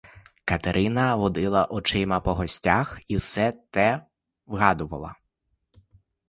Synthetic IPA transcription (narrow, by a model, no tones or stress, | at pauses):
kɐt̪eɾʔɪnɐʋɔd̪ɪlˠɐʔɔt͡ʃɪmɐpɔɦɔsʲtʲaxiwsɛt̪ɛ | ʋɦɑd̪ʊʋɐ̰lˠɐ̰